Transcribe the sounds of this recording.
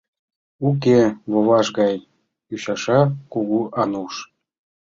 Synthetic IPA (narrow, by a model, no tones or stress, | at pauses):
uk̬ʲevovɑʃɡɑj | uɕɑʃɑkuɣuʔɑnuʃ